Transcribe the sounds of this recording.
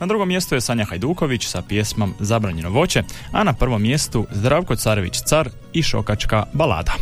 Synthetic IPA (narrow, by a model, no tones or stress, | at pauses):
nad̪ɾuɡo̞mje̞st̪uje̞saɲaxajd̪uːko̞ʋit͡ɕsapje̞smomzabɾaːɲe̞noʋo̞t͡ɕe̞anapr̩ʋo̞mːje̞st̪uzd̪ɾaʋko̞t̪saːɾeʋḭt͡ɕt̪saɾ | iʃo̞̰kat͡ʃkabala̰ːd̪a